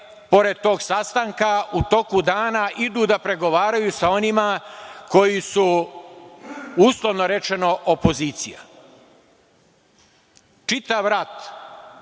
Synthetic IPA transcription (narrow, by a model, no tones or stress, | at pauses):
po̞ɾe̞d̪̚t̪o̞ːɡsast̪aŋkaut̪o̞kud̪aːnaʔid̪uːd̪apɾe̞ɡo̞ʋaːɾajusao̞nimako̞jisu | uːslˠo̞ʋno̞ɾe̞t͡ʃe̞no̞ʔopo̞ziːt̪sija̰ | t͡ʃit̪aʋɾat̪